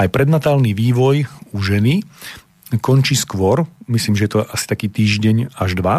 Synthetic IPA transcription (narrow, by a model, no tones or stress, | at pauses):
ajpɾɛd̪nat̪aːlniʋiːʋɔjuʒɛni | kɔnt͡ʃiːskʋɔɾmisliːmʒɛjɛt̪ɔʔasi̥t̪akiːt̪iːʒɟɛɲaʒd̪ʋa